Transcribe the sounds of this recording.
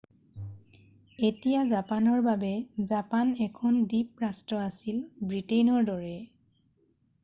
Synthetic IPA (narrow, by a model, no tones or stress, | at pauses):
etijazapanɔɹbabɛzapanɛkʰɔndip̚ɹastɔasilbɹitenɔɹdɔɹɛ